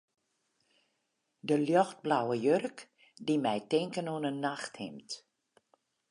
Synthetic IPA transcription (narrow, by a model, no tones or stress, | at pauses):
dəljɔxt̚blawəjørk | dimɛjtɪŋkənonənːaxthɪ̰mt